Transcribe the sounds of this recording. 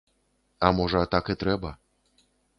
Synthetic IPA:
amoʐat̪akət̪ɾɛba

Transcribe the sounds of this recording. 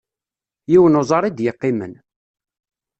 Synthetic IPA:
jiwənʊzˤɑɾˤid̪jəqːimən

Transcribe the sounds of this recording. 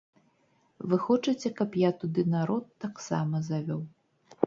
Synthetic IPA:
vɨxɔt͡ʂɨt͡sʲɛkɐpjat̪ud̪ɨnaɾɔt̪ːaksa̰mɐzavʲɔw

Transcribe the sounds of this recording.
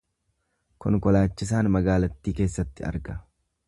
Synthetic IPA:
kɔ̰ŋkɔlaːt͡ʃːɪs̬aːnmɐɡaːlɐt̪ːiːkeːsːɐt̪ːɪɐ̰ɾɡɐ

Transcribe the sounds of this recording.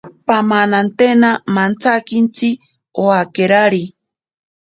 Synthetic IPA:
pamanant̪enamant͡sakint͡si | oakeɾaɾi

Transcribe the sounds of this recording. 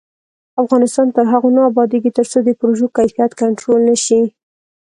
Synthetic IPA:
afɣɑnɪst̪ɑnt̪əɾɦaɣonɑːbɑd̪eɡit̪əɾt͡sod̪əpɾoʒokajfijat̪kaɳʈɾolnaʃi

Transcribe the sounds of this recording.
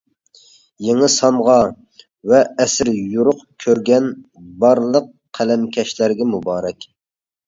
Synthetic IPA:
jeŋəsɑmʁɑ | vɛːsɪɾjuɾʊqkʲʰøɾɡʲɛnbɑɾlˠəq | qʰːælɛmkʲʰɛʃlæɾɡʲɛmubɑːɾɛkʲ

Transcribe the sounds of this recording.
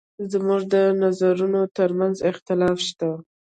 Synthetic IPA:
zəmuʐd̪ənazaɾunot̪əɾmanzɪxt̪ɪlɑfʃt̪a

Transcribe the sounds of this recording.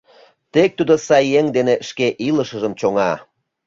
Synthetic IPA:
t̪ek̚t̪ud̪osɑjːeŋd̪eneʃkeʔiləʃə̆ʒəmt͡ɕoŋɑ

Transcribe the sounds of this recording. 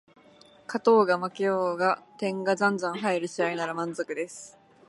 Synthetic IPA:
kat̪o̞ːɡamakejoːɡat̪ẽ̞ŋɡazãnzãɰ̃ɦaiɾɯ̟ɕiainaɾamãnzo̞kɯ̟d̪e̞sɨ̥

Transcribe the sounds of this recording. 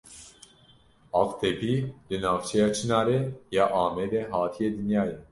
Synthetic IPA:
ɑːqt̪ʰɛpʰiːlɨnɑːft͡ʃʰɛjɑːt͡ʃʰɨnɑːɾɛjɑːʔɑːmɛd̪ɛɦɑːt̪ʰijed̪ɨnjɑːjɛ

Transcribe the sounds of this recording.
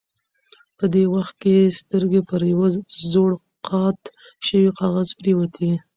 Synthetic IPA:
pəd̪ewaxt̪̚kest̪əɾɡepəɾjawəzoɽ | qɑt̪ | ʃəwiqɑɣazbɾiwat̪ʰi

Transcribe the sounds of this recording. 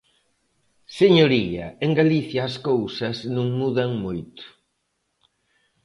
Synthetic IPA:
seɲoɾiɐeŋɡaliθjɐːskowsɐznũŋmuðɐŋmojt̪ʊ̥

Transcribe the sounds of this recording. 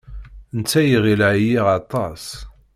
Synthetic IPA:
nt͡sːæjiʁilʕjiʁɑt̪ˤɑs

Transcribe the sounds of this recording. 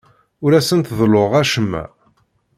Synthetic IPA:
ʊɾæsənt̪ðloʁæʃəmːæ̰

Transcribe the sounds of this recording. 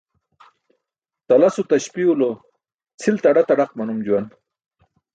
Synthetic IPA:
t̪alasut̪aɕpiulo | t͡sʰilt̪aɽat̪aɽaqmanumd͡ʑuwan

